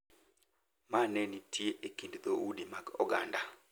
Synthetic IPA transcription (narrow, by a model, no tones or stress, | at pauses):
manenitʰieʔekindd̪oudimakɔɡanda